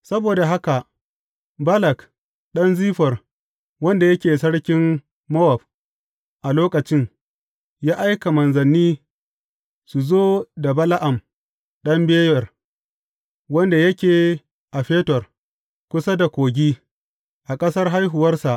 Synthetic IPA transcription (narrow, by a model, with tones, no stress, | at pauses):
sɐ˦boː˨da˨ɦa˦ka˨ʔ | bɐ˦lɐ˨k | ɗɐ˦nziː˦ɸɐ˨r | wɐ˦nda˨jɐ˦kʲeː˨sɐ˦ɽkʲɪ˦mː | ɔ˦wɔ˨b̚ | ʔa˨loː˦kɐ˨t͡ʃɪ˦ŋ | jaː˦ʔa˦jka˨mɐ˨nzɐ˨nːiː˦ | su˨zoː˦da˨bɐ˦la˦ʔa˨m | ɗɐ˦mbeː˦jɐ˨r | wɐ˦nda˨jɐ˦kʲeː˨ | ʔa˨ɸeː˦tɔ˨r | kʷʊ˦sa˦da˨kʷoː˨ɡʲiː˦ | ʔa˨kʼɐ˦sɐ˦rɦa˦jɦʊ˨wɐ˦rsa˨ʔ